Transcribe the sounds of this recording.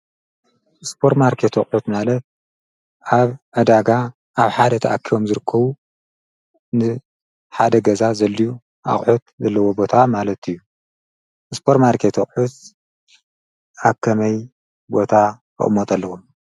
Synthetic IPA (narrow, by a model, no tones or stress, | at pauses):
spʰo̞ɾtmaɾkʰet̪ʰoχʼħut̪malɐt̪̚ | ʔaβʔɐd̪aɡa | ʔaβħad̪ɐt̪ʰɐ̰ʔakʰːio̞mzɨɾɨkʰːɐβu | nɨ | ħad̪ɐɡɐzazɐlːiju | ʔa̰χʼħut̪̚zɐlːɐwo̞bo̞t̪ʰamalɐt̪ɨjːu | ʔɨspʰoɾmaɾkʰet̪ʰoχʼħut̪ | ʔakʰɐmɐj | bo̞t̪ʰakʰɨ̰ʔʼɨmːot̪ʼɐlːɐxum